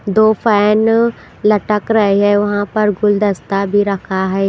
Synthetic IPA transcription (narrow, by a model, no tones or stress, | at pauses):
d̪oːfɛːn | lɐʈəkɾɐɦeɦɛeʊɦãpɐɾɡʊld̪ɐst̪abʱiɾɐkʰaɦɛː